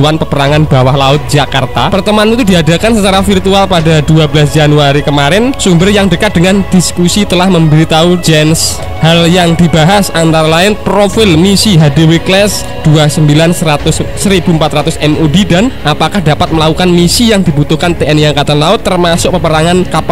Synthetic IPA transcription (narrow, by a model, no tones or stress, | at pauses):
uanpəpəɾaŋanbawahlaʊt̪̚d͡ʒakart̪apərt̪əmaanit̪udiadakansət͡ʃaɾafirt̪ualpadaduabəlas̬d͡ʒanuaɾikəmaɾɪnsumbərjaŋdəkat̪̚d̥əŋand̥iskusit̪əlahməmbəɾit̪aud͡ʒɛns | haljaŋd̪ibaɦasant̪aɾlaɪnpɾofɪlmisiɦadiwiklɛs | d̥uasəmbilansəat̪ʊsːəɾib̥umpat̪ɾat̪ʊsɛmudidanʔapakahdapat̪̚məlakukanmisijaŋdibut̪ʊhkant̪eɛnjakat̪anlaʊt̪ːərmasʊk̚pəpəɾaŋankap